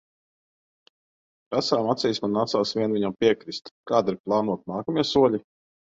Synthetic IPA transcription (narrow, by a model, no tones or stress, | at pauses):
pɾasaːmat̪sʲɛjsmanat̪saːsvʲiɛnviɲampʲiɛkɾist̪kaːd̪iɾplˠɑːnuɔt̪̚naːkamiɛsuɔlʲi